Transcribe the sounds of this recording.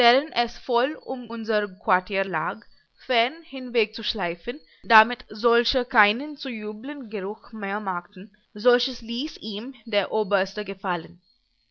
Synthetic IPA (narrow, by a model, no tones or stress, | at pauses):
vɛːʁənɛsfɔlʔʊmʔʊnzəʁkwaɐtʰiːɐlaːk | fɛɐnhɪnvɛk̚t͡suʃlaɪfən | damɪtzɔlçəkʰaɪnənt͡sujuːblənɡəʁʊxmeːɐmaktn̩ | zɔlçəsliːsiːmdeːɐʔoːbɐstəɡəfalən